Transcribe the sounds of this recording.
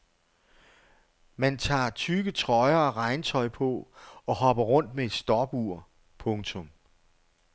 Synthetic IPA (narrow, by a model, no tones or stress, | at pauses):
mænt͡sʰɑ̰̈ːt͡sʰyɡ̥ət͡sʰʁɒɪɐːʁɑ̈ɪnt͡sʰɒ̽ɪpʰɔ̽ɒ̽hɒ̽b̥ɐʁɔ̽n̰d̥mee̝d̥sd̥ɒːb̥uɐ̰ | pʰɔ̽ŋt͡sʰɔ̽m